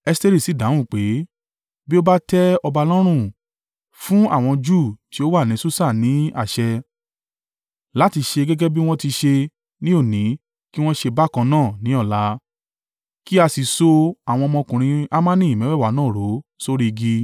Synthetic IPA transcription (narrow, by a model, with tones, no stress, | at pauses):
ɛ˧si˦te˦ɾi˦˨si˨˦˨dã˨˦w̃ũ˦˨k͡pe˨˦ | bi˦o˦ba˦tɛ˦ɔ˧ba˧lɔ˦ɾ̃ũ˦˨ | fũ˦a̰˦˨w̃ɔ̃˧d͡ʒuː˦˨ti˨˦o˦wa˦˨nĩ˨˧˦su˦sa˦˨nĩ˨˦a̰˦˨ʃɛ˧ | la˦ti˧ʃe˧ɡɛ˦ɡɛ˦bi˦w̃ɔ̃˦ti˧ʃe˧ | nĩ˦o˦˨nĩ˨˦ | ki˦w̃ɔ̃˦ʃe˧ba˦˨kã˧nãː˦˨nĩ˨˦ɔ˦˨la˨˦ | ki˦a˧si˨so˧a˨w̃ɔ̃˧ɔ˧mɔ̃˧kũ˨ɾ̃ĩ˧a˦mã˦nĩ˦˨i˨mĩ˨˦ɛ˦˨wa˨˦nãː˦˨ɾo˨˦so˦ɾi˦i˧ɡi˧